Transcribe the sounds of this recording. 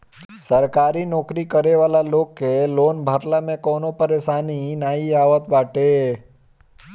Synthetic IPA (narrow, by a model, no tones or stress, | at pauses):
səɾkaɾinɔkɾikəɾeʋalalokːelonbʱaɾlamẽkonopəɾeʃaninaiaʋət̪ʋaʈe